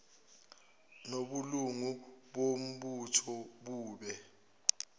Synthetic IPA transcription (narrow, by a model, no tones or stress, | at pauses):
noɓuluŋuɓom̩ɓutʰɔɓuːɓɛ